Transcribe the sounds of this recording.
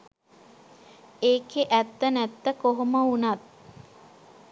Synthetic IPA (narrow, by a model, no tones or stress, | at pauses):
eːkeʔæt̪ːənæt̪ːəkoɦoməunat̪̚